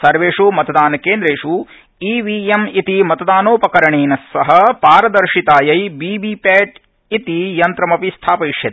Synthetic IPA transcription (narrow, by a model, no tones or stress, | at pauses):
sɐɾʋeːʂumɐt̪ɐd̪aːnɐkeːnd̪ɾeːʂu | iːʋiːemit̪imɐt̪ɐd̪aːnoːpɐkɐɾɐɳeːnɐsːɐɦɐpaːɾɐd̪ɐɾʂit̪aːjɐjbiːbiːpɛːʈ | it̪ijɐnt̪ɾɐmɐpist̪ʰaːpɐiʂjɐt̪